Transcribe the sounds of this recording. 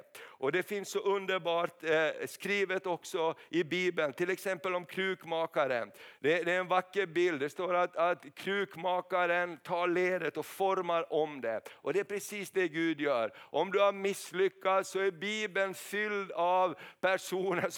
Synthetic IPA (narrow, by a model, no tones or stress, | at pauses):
ʔɔd̪ɛfɪnssɔʔɵnd̪əɾbɑːʈskɾiːvət̪ɔksɔɪbiːbənt̪ʰɪlɛksɛmpəlɔmkʰɾʉːkmɑːkaɾə̰nd̪ɛd̪ɛæɾɛnvakːəɾbɪld̪ɛst̪oːɾat̪at̪kʰɾʉːkmɑːkaɾənt̪ʰɑːɭeːd̪ət̪ɔfɔɾmaɾɔmd̪ɛʔɔd̪ɛæɾpʰɾɛsiːsd̪ɛɡʉːd̪jœːɾɔmd̪ɵhaɾmɪslʏkːat̪sɔæɾbiːbənfʏld̪avpʰæʂuːnə